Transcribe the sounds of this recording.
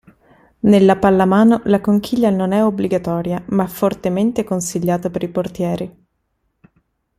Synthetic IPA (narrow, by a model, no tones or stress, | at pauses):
nelːapalːamaːnolakoŋk̟ʰiʎːanonɛobliɡat̪ɔːɾjamaɛfːort̪ement̪ekonsiʎːaːt̪apeɾiport̪jɛːɾi